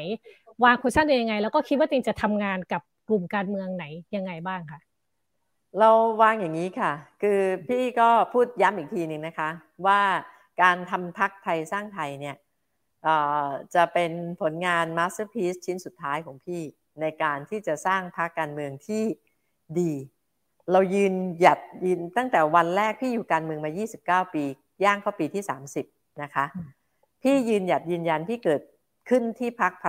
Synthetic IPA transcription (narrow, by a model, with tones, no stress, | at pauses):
jwaː˧ŋkʰu˧nsʰa˥˩da˧ja˧ŋa˧jlɛː˦˥wkɔː˥˩kʰi˦˥t̪̚waː˥˩t̪e˧ŋt͡ɕa˨˩t̪ʰa˧mŋaː˧nka˨˩p̚klu˨˩mkaː˧nmɯ˧əŋna˩˦jja˧ŋːa˧jbaː˥˩ŋkʰa˥˩ʔ | ɾa˧wwaː˧ŋja˨˩ŋːiː˦˥kʰa˥˩kʰɯː˧pʰiː˥˩kɔː˥˩pʰuː˥˩t̪̚ja˦˥mʔiː˨˩k̚t̪ʰiː˧nɯ˨˩ŋna˦˥kʰa˦˥ | waː˥˩ | kaː˧nt̪ʰa˧mpʰa˦˥k̚t̪ʰa˧jsaː˥˩ŋt̪ʰa˧jni˥˩ɐ | ʔɤː˨˩t͡ɕa˨˩pe˧npʰo˩˦nŋaː˧nmaː˦˥sɯ˦˥pʰiː˦˥s̚t͡ɕʰi˦˥nsu˨˩t̪ʰːaː˦˥jkʰɔː˩˦ŋpʰiː˥˩ | na˧jkaː˧nt̪ʰiː˥˩t͡ɕa˨˩saː˥˩ŋpʰa˦˥kːaː˧nmɯ˧əŋt̪ʰiː˥˩ | diː˧ | ɾa˧wjɯː˧nja˨˩t̪̚jɯː˧nt̪a˥˩ŋt̪ɛː˨˩wa˧nɾɛː˥˩k̚pʰiː˥˩juː˨˩kaː˧nmɯ˧əŋmaː˧jiː˥˩si˨˩p̚kaː˥˩wpiː˧ | jaː˥˩ŋkʰɔː˥˩piː˧t̪ʰiː˥˩sa̰ː˩˦msi˨˩p̚ | na˦˥kʰa˦˥ʔ | pʰiː˥˩jɯː˧nja˨˩t̪̚jɯː˧nja˧npʰiː˥˩kɤː˨˩t̪̚ | kʰɯ˥˩nt̪ʰiː˥˩pʰa˦˥k̚pʰ